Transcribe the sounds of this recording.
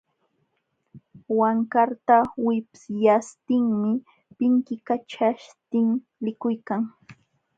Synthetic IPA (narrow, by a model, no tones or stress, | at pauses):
waŋkaɾt̪awɪpsjast̪ɪŋmɪ | pɪŋkɪkat͡ʃaʃt̪ɪŋ | lɪkʊjkaŋ